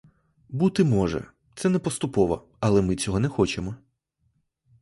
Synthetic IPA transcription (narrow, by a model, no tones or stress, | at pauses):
but̪ɪmɔʒɛ̰ | t̪sɛnɛpɔst̪ʊpɔʋɐ̰ | ɐlˠɛmɪt͡sʲɔɦɔnɛxɔt͡ʃemɔ